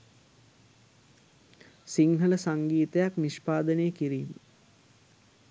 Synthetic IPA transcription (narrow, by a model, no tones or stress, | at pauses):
siŋɦələsaŋɡiːt̪əjakniʃpaːd̪ənejəkiɾiːmə